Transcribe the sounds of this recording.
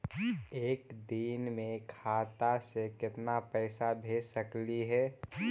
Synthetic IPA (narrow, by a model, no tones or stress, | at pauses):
eːkd̪iːnmẽkʰaːt̪asekɪt̪napɛːsabʱeːsəkliɦɛː